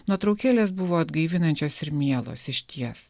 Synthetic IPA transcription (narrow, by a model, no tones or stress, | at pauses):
nuɔt̪ɾɒʊkʲæːlʲeːsbʊʋoːɐd̪ɡɐɪʋʲɪnɐnʲt͡ʃʲoːsɪɾmʲiɛlˠo̰ːsɪʃʲt̪ʲiɛs